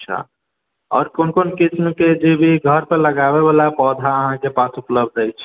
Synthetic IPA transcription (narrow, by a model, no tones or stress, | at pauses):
t͡ʃʰə̰ | ɔ̰ːɾkonkonkit͡ʃnked͡ʒebʱiɡʱəɾpeləɡabeβalapɔd̪ʱaəɦãkepasupləbd̪əjt͡ʃʰ